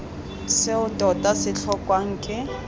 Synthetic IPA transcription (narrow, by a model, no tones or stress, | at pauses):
sɪʊtʼɔtʼasɪɬʰɔkʼwaŋ̩ːkʼɪ